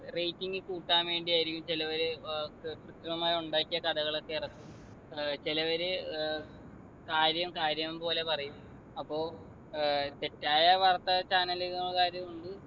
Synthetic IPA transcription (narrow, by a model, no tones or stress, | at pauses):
rejtːiŋɡɨkuːʈːaːmʋe̞ːɳɖiaːjɾijumt͡ɕilɐʋɐɾekrut̪ːɐnɐmaːjuɳɖaːkːijɐkɐd̪ɐɣɐɭet̪ːeːrɐk̪ːum | t͡ɕilɐʋɐɾe | kaːɾjɐmkaːɾjɐmumpo̞ːle̞pɐrɐjum | ɐpːo̞ː | t̪e̞tːaːjɐʋɐrt̪ːɐt͡ɕaːnɐliɣɐŋːɐɭkaːɾjɐmuɳɖɨ